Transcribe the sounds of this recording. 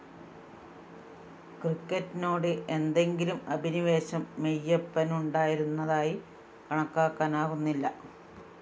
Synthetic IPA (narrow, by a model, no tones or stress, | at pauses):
krikːɐtːinoːɽɨʔe̞nd̪e̞ŋɡilumɐbʱiniʋe̞ːɕɐmːejːɐpːɐnuɳɖaːjiɾunːɐðaːji | kɐɳɐkːaːkːaːnaːɣunːilːɐ